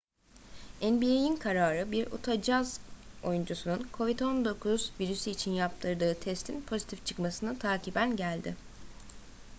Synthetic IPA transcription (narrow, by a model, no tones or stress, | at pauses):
ænbiejinkʰaɾaːɾɯbiɾṵt̪ʰad͡ʒazo̞̰jund͡ʒusununkʰo̞vid̪o̞nd̪o̞kʰuzviɾysiːt͡ʃʰinjap̚t̪ʰɯɾd̪ɯːt̪ʰɛst̪ʰinpʰo̞zi̥t̪ʰift͡ʃʰɯ̥kmasɯnɯt̪ʰaːcʰibænɟælʲd̪ɪ